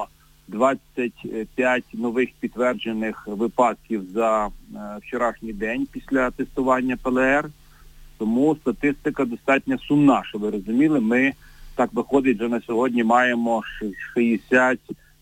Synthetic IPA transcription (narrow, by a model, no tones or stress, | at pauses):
d̪ʋɑt͡sʲɐtʲpʲjatʲnɔʋɪxpʲit̪ːʋɛrd͡ʒenɪxʋɪpɑd̪̚kʲiwzɐ | wt͡ʃɔɾɑʃnʲijd̪ɛnʲpʲisʲlʲɐt̪est̪ʊʋɑnʲːɐpɛlˠɛɛr | t̪ɔmust̪ɐt̪ɪst̪ɪkɐd̪ɔst̪ɑtʲnʲɐsʊmnɑʃɔʋɪɾɔzʊmʲilˠɪmɪt̪ɑkʋɪxɔd̪ɪtʲʒɛnɐsʲɔɦɔdʲnʲimɑjemɔʃʃɪjesʲatʲ